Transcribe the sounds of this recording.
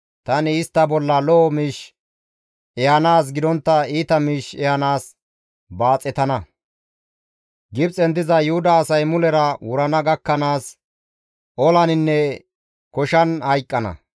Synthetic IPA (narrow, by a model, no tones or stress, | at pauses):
t̪ɐnɪːst̪ːɐbɔlːɐlɔːmiːʃ | ɛɐnaːs̬ɡɪd̪ɔnt̪ːɐiːt̪ɐmiːʃɛɐnaːs | baːt͡sʼːɛt̪ɐnɐ | ɡɪbt͡sʼɛnd̪ɪzɐjʊhʊd̪ɐːsɐjmʊlɛɾɐwʊɾɐnɐɡɐkːɐnaːs | ʔɔlɐnɪnːɛ | kɔʃɐnhɐjkʼːɐnɐ̰